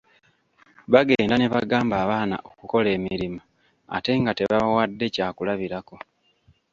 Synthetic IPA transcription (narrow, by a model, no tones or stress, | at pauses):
βaɡe̞ːndane̞βaɡaːmbaːβaːna̰ʔokuko̞le̞ːmiɾima | a̰te̞ŋɡateβawadːe̞caːkulaβiɾako̞